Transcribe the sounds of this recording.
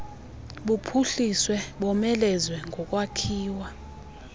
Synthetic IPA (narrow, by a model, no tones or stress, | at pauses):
ɓupʰuɬiswɛɓɔmɛlɛzwɛŋɡʱɔk̬ʼwakʰiːwa